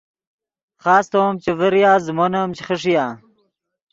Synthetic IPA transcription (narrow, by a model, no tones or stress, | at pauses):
χaːst̪omt͡ɕevəɾijaːzmonamt͡ɕe̥χəʂ̬ijaː